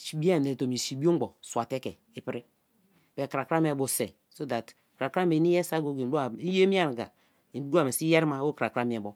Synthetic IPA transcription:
ʃi˨bi˦a˦˨ne˨to˨m˨i˨si˨bi˦o˦ɡ͡bɔ˨swa˨tɛ˦kɛ˨ | i˦pɾi˦˨ | be˨kɾa˨kɾa˦m˦e˨bo˨sɛ˨ | so˦da˨t | ka˨kɾa˦me˨˦ni˦jɛ˦sa˦ɡo˦ɡe˨˦o˦a˨i˦je˦mi˦a˦˨ɾɡa̰˨ | i˨˦u˦ɡu˦a˨me˨si˦jɛ˦ɾma˦˨˦o˦kɾa˨kɾa˦mi˨ɛ˨bo˨

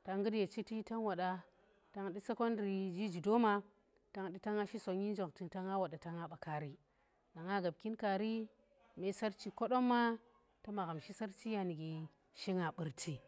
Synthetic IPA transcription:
ta˦ŋɡɨ˦dje˨t͡ʃi˦ti˦ta˦nwa˨ɗa˦ | ta˦ŋɗi˦se˦ko˦ndɾi˨d͡ʒi˦d͡ʒi˨do˦ma˦ | ta˨˦ŋɗi˦ta˦ŋa˦ʃi˦so˨ɲi˦n˦d͡ʒo˨kti˨ta˦ŋa˦wa˨da˨ta˨ŋa˦ɓa˨ka˨ɾi˨ | na˨ŋa˦ɡa˨b̚ki˦nka˨ɾi˦ | me˦sa˦ɾt͡ʃi˦ko˦ɗo˦mːa˦ | ta˦ma˨ɣa˨mʃi˦sa˦ɾt͡ʃi˦ja˨ni˨ɡi˨ | ʃi˦ŋa˨ɓɨ˨ɾtʰi˨

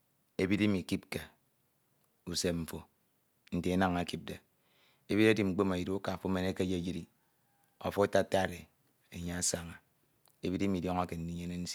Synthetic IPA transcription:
e˨bi˦ɾi˦mi˨ki˦p̚ke˨ | u˨se˦m̩˨fo˨ | n̩˨te˨e˦na˨ŋa˨ki˦b̚de˨ | e˨bi˦ɾa˦di˨ŋ͡m̩˨k͡po˦ma˨i˨ɾo˦ka˨fo˦me˨ne˦ke˦d͡ʒe˦d͡ʒi˦ɾi˦˨ | o̰˨fo˦ta˦˨ta˦˨ɾe˨ | e˨ɲa˦a˦sa˦ŋa˨ | e˨bi˦ɾe˦mi˨djo˦ŋa˦ke˨n̩˦ni˦ɲe˦ne˦n̩˦si˦

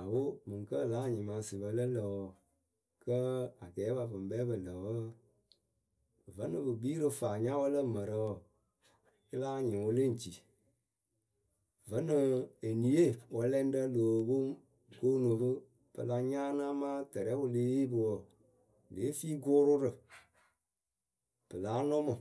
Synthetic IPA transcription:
a˨wo˦mɨ̃˨ŋ˨kə˦˨laː˦˨ɲĩ˨mã˨si˨bə˧lə˦lə˨wɔ˨ | kə˦a˨ɡɛː˨˦ba˨fɨ˨m˨bɛ˦bə˨lə˨wə˦ | və˨˦nɨ̃˧bɨ˨biː˦ɾɨ˧faː˨ɲã˦wə˦lə˦˨mə˨ɾə˨ɔ˨ | i˦laː˦˨ɲĩ˨wo˧le˦ŋ̩˨t͡ʃi˨ | və˦nɨ̃˨e˨ni˨˦e˦˨wə˨˦lɛ˦n˦də˦lo˨wo˦ | ko˦nõ˨bɨ˦ | b̥ɨ̰˨la˧ɲãː˦nãː˦mã˦tɛ˨ɾɛ˨˦wo˧leː˦e˦bɨ˨wɔ˨ | leː˨˦fiː˦ɡoː˦ɾʊ˦ɾɨ˨ | b̥ɨ˨laː˨˦nɔ̃˦mɔ̃˨

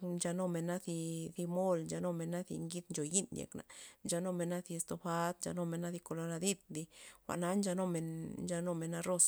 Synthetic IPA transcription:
d͡ʒa˧no˧me˧na˦θi˧θi˧mo˦˨ld͡ʒa˧no˧me˧nːa˦θḭ˧ŋɡi˦d̪nd͡ʒo˨ji˦njḛ˨kna̰˨nd͡ʒa˧no˦˧me˧nːa˦θi˧e˧st̪o˧ba˧˦t̪d͡ʒa̰˧no˧me˧na˦ði˧ko˧lo˧la˧d̪i˦d̪̚d̪i˧xʷa̰˨ʔna˦nd͡ʒa˧no˧me˧nnd͡ʒa˧no˧me˨nːa˧ɾo˧s

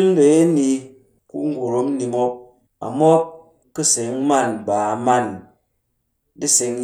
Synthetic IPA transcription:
n˦de˨˦e˦ni˧ | kṵ˦ŋ˦ɡo˨ɾo˦m˦ni˧mɔ˦p̚ | a̰˨mɔ˦k | kːɨ˦se˨˦ŋ˦ma˦˨nba˨ma˦˨n | di˦se˨ŋ

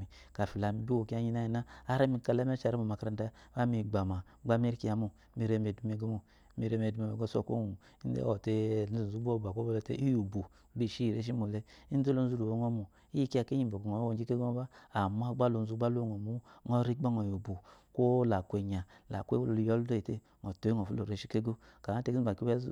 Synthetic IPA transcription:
i˨ | ka˨fi˨la˨mi˨bi˦wo˨ki˦a˦ɲi˦na˦ji˨na˦a˦ɾa˦mi˨ka˦le˦me˦t͡ʃa˨ɾa˦mo˨ma˨ka˨ɾa˨nda˦βa˦mi˨ɡ͡ba˨ma˨˦ɡ͡ba˦m˦e˦ɾki˦a˨mu˨ | mi˨ɾe˦m˨e˨du˨˦me˨ɡe˦mo˨˦ | mi˨ɾe˦me˨du˦me˨me˨ɡo˦so̰˦˨ko̰˦˨mu˨ | i˦n˦dḛ˦o˨te˦n̩˦u˨zu˦bo˦˨ba˨ko˦bo˦˨le˦tḛ˦ʔi˦ju˨bu˨ | bi˦˨ʃi˦˨ɾe˦ʃ̬i˦mo˨le˦i˦n˦do˦lo˨n̩˦zu˦lo˨o˨˦ŋo˦mu˨ | i˦i˦ki˦a˨ke˦ɲi˨bo˨ko˨o˨˦wo˨˦d͡ʒi˦ke˦ɡo˦ŋ˦ba˦a˨m˦a˦ɡ͡ba˦lo˨n˨u˦ɡ͡ba˦lo˦ŋo˨mu˦ŋɔ˦ɾi˦ba˦ŋɔ˨ju˨bu˨ko˦la˨kʷe˨ɲa˨la˨kḛ˦˨jɔ˦ldo˦i˨te˦ | ŋo˨to˨˦ŋo˨fu˦lo˨ɾe˨˦ʃi˦ke˦ɡo˦ka˨a˦te˦ki˦a˨ki˦e˦

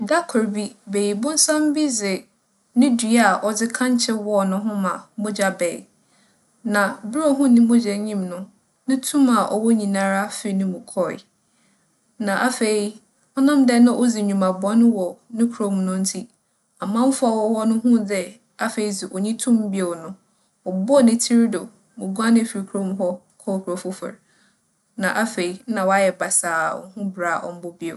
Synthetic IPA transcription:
da˦kʰɔ˨ɾbi˦be˨ji˨bʊ̃˦n̩˦sã˦m˦bi˦zɪ˨ | nɪ̃˦dɥa˨ʔɔ˨d͡zɪ˦kʰã˦ɲ˦t͡ɕʰɛ˦wɔ˦˨nʊ̃˦ɦʊ̃˦mã˨mʊ̃˦d͡ʑa˨bɛː˨ | nã˨bɪ˦ɾɔ˦ɦʊ̃˦nɪ̃˦mʊ̃˦d͡ʑɛ˨ɲĩ˦mnʊ̃˦ | nɪ̃˦tʰũ˦ma˨ʔɔ̰˨wɔ˦ɲĩ˨nã˦ɾa˦fɪ˦nʊ̃˦mũ˨kʰɔ˦ɪ̰˨ | nã˨ʔa˦fe˨i˨ | ɔ˦nã˦mdɛ˦nã˦ʔo˦zi˨ɲũ˨ma˨bɔ˦n˦wɔ˨nɪ̃˦kʰɾõ˦mnʊ̃˦n̩˦tʰi˦ | a˨mã˦m̩˦fʊ˦a˨wɔ˦wɔ˦nʊ̃˦ɦʊ̃˦dɛ˦ | a˦fe˨i˦zi˨ʔɔ˨ɲĩ˦tʰũ˦m˦bi˦e˨nʊ̃˦ | ɔ˨bʊ˦ɔ˦˨nɪ̃˨tʰi˦ɾdo˨ | mʊ̃˨ɡu˦a˦nɪ̃˦˨fi˨ɾi˨kʰu˨ɾõ˦mɦɔ˦kʰɔ˦˨kʰɾo˨fʊ˦fʊ̰˨ɾ | nã˨ʔa˦fe˨i˦nã˨wɔ˨˦a˦jɛ˨ba˨saː˨ɔ̰˨˦hʊ̃˦bɾa˨ʔɔ̰˨m̩˦bʊ˦bi˦o̰˨

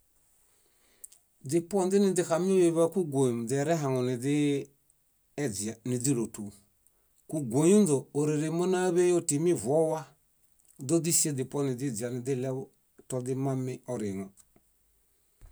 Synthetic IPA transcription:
dɪ˨pɔ˦ndɪ˦nɪ˨dɪ˨ka˨mi˦o˦je˨βa˦ku˦ɡʷo˨jm˨dɛ˨ɾɛ˦ɦa˨ŋɔ˨nɪ˨dɪ˦ | d͡ʒa˨nɪ˨di˦ɾo˨tu˨ | ku˨ɡo˨ju˦ndoː˨ɾe˨ɾe˨mo˦na˦βe˦jo˦ti˨mi˦˨vɔ˦wa˦ | do˦di˦si˦e˦dɪ˨pɔ˦nɪ˨dɪ˦d͡ʒi˨a˨nɪ˨dɪ˦lɛ˦βɔ˦ | tɔ˨dɪ˦ma˦mɪ˦ɔ˨ɾɪ˨ŋɔ˨

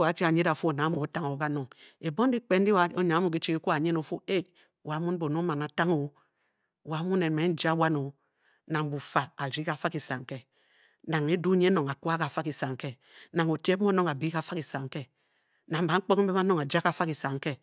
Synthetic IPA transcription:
wa˨˦fi˦a˨ɲe˦da˨fu˦o˨na˨˦mu˨o˦ta˦ŋo˨ka˦no˨ŋe˨bo˦n˦di˦k͡pe˦n˦di˦˨o˦ɲa˨ŋa˦mu˨ki˦t͡ʃi˦ki˦ku˦a˨ɲe˦no˨fu˦e˦˨ | wa˨˦mu˦n˦bo˨no˦ma˨na˨ta˦ŋo˨˦˨ | wa˨˦mu˦ne˨me˨˦n̩˦d͡ʒa˦wa˦no˨˦ | na˨ŋ˨bu˨fa˨a˨ɾi˦ka˨fa˦ki˨sa˨ŋ˨ke˦ | na˨ŋe˦du˦ɲe˦no˨ŋa˨kwa˦ka˨fa˦ki˨sa˨ŋ˨ke˦ | na˨ŋo˨te˦m˦o˦no˦ŋa˨bi˦ka˨˦fa˦ki˨sa˨ŋ˨ke˦ | na˨m̩˦ba˨˦ŋ͡m̩˦k͡po˦km̩˦be˦m˦a˦no˦ŋa˨d͡ʒa˦ka˨˦fa˦ki˨sa˨ŋ˦ke˦

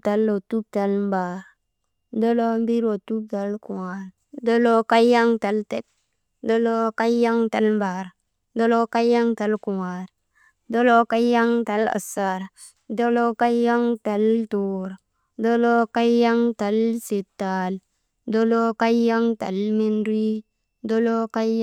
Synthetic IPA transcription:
ta˨˦lːo˨tu˦b̚ta˨˦lm˦ba˨ɾ | do˦lo˦m˦bi˦ɾo˨tu˦b̚ta˨˦lku˨wa˨ɾ | do˦lo˦ka˦ja˦ŋta˨˦lte˦t̚ | do˦lo˦ka˦ja˦ŋta˨˦lm˦ba˨ɾ | do˦lo˦ka˦ja˦ŋta˨˦lku˨wa˨ɾ | do˦lo˦ka˦ja˦ŋta˨˦la̰˨sa˨ɾ | do˦lo˦ka˦ja˦ŋta˨lto˨ɾ | do˦lo˦ka˦ja˦ŋta˨lsi˨tːa˨l | do˦lo˦ka˦ja˦ŋta̰˨lmi˦nɾi˦ | do˦lo˦ka˦

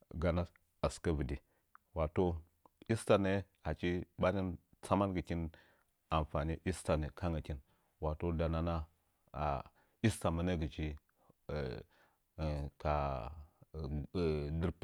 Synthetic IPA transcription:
ɡa˨na˦ | a˨ska˦və˨di˨ | wa˨to˦ | i˦sta˨ne˦ha˨t͡ʃi˦ba˦ni˦n | t͡sa˦ma˦nɡə˨ki˦n | a˨mfa˨ni˦ʔi˦sta˨ne˨kʰa˦ŋa˨ki˦n | wa˨to˦da˨na˦na˦ | a̰˨ | i˦sta˨ma˦ne˦ɡi˨t͡ʃi˦˨ | ka˨ | di˦ɾ

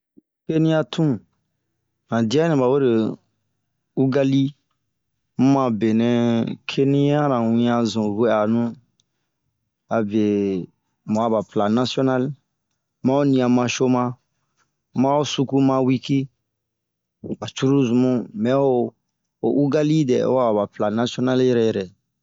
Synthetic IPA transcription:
ke˦nĩ˦a˧tʰũ˦ | nã˨di˦a˦nɛ̃˨ba˨we˦ɾe˨ | u˦ɡa˦li˦ | m̩˦mã˧be˨nɛ̃˨kʰe˦nĩ˦ã˦ɾã˨wĩ˧ã˧zũ˨ɾe˦a˨nũ˦ | a˨be˨ | mã˨a˦˨ba˨pla˨na˦siɔ˦na˦l | mã˦o˦nĩ˧ã˨mã˧ʃo˦mã˧˦ | mã˦o˦su˦ku˦mã˧wi˦ki˦ | ba˨t͡ʃu˦ɾu˦zũ˨mũ˦mɛ̃˨˦o˦ | o˨ʔu˦ɡa˦li˦dɛ̰˨o̰˦a˦a˨ba˨pla˨na˦si˦ɔ˦na˦ljɛ˨ɾɛ˨jɛ˨ɾɛ˨

